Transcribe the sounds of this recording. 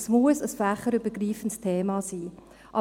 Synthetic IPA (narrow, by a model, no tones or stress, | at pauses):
smuəsəsfæχəɾybəɡɾiːfəntstʰeːmɑːsiː | ʔɑ